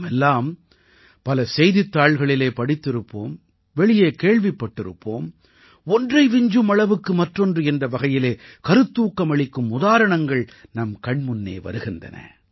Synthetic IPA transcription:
mɛlːaːm | pɐlɐsɛjðɪt̪ːaːɭɣɐɭɪleːpɐɽɪt̪ːɪɾɯpːo̰ːm | ʋɛɭɪjeːkeːɭʋɪpːɐʈːɪɾɯ̰pːo̰ːm | ɔndrɐɪʋɪɲd͡ʒɯmɐɭɐʋɯkːɯmɐʈrɔndrɯɛndrɐʋɐɣɐjɪleːkɐɾɯt̪ːuːkːɐmɐɭɪkːɯmʊðaːɾɐɳɐŋɡɐɭnɐmkɐɳmʊnːḛːʋɐ̰ɾɯɣɪndrɐ̰nɐ̰

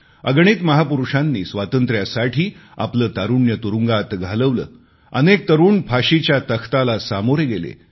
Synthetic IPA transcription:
əɡɳ̃iːt̪məɦapuɾuʂanːiːsʋat̪ənt̪ɾjasaʈʰiːa̰pləːt̪aɾuɳjət̪uɾuŋɡat̪ɡʱaləʋlə̰ː | ənek̚t̪əɾuːɳpʰaɕit͡ɕjat̪əkʰt̪alasamoɾjɡelḛ

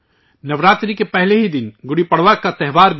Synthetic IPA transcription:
nɐʋɾaːt̪ɾikepɛɦleɦid̪ɪnɡʊɽipɐɽʋaːkːat̪ɛɦʋaːɾb

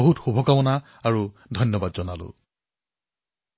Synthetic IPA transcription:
oɦutxubʱɔkawɔna | aɹu | dʱɔjnjɔbadzɔnalʊ̰

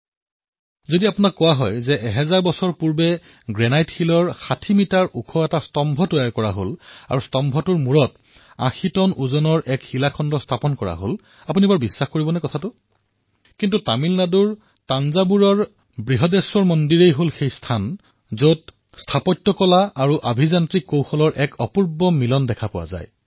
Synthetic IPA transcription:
zodiapunakːɔwaɦɔjzɛʔɛɦɛzaɹbɔsɔɹpuɹbɛ | ɡɹɛnajtxilɔɹxatʰimitaɹʔukʰɔɛtastɔmbʱɔtɔjaɹkɔɹaɦola̰ɹustɔmbʱɔtʊɹmuɹɔt | ã̰xʰitɔnuzɔnɔɹʔɛkhilakʰɔndɔstʰapɔnkɔɹa̰ɦo̰l | apunibaɹbisːaxkoɹibɔnɛkɔtʰatʊ | kintutamilnaduɹ | tanzabuɹɔɹ | bɹiɦɔdeswɔɹmɔndiɹejɦolxejstʰan | zot | stʰapɔtːɔkɔlaaɹuʔabʱizantɹikːowxɔlɔɹʔɛkɔpuɹbɔmilɔndɛkʰapʊwa̰za̰j

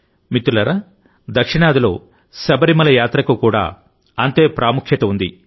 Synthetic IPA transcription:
mit̪ːulɐɾɐ | d̪ɐkʂiɳaːd̪ilo̞̰ː | sɐbɐɾimɐlɐjaːt̪ɾɐkukuːɽa̰ː | ɐnt̪e̞ːpɾaːmukʰjɐt̪ɐund̪i

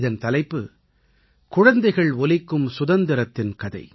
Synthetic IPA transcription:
ðɐnt̪ɐlɐɪpːɯ | kʊɻɐnd̪ɐɪɣɐɭɔlɪkːɯmsʊðɐnd̪ɪɾɐt̪ːɪnkɐðɐ̰ɪ

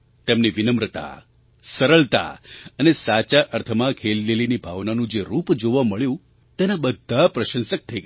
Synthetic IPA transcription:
t̪emniʋɪnəmɾət̪a̰ | səɾəɭt̪a̰ənesat͡ʃaʔəɾt̪ʰəmãkʰellelinibʱaʋnanũd͡ʒeɾupd͡ʒoʋãməɭjũ | t̪enabəd̪ʱːapɾəʃə̃nsək̚t̪ʰəiɡ

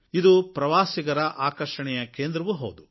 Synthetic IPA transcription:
id̪upɾɐʋaːsiɡɐɾɐʔaːkɐɾʂɐɳɛjɐkeːnd̪ɾɐʋuɦo̰ːd̪u

